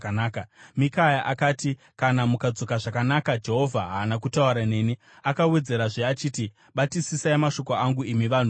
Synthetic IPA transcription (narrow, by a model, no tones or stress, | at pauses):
anaːkamikajaʔakaːti | kanamukad͡zo̞kaʐakanakad͡ʒe̞ɦo̞vʱaɦaːnakutauɾane̞ːni | akawe̞d͡ze̞ɾaʐeat͡ʃiːti | ɓatisisaimaʃo̞koaŋɡuimiʋan̤u